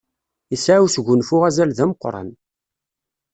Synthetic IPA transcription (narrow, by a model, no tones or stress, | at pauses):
isʕawsɡʷːʊnfʊʁæzælðæməqːɾˤɑ̰n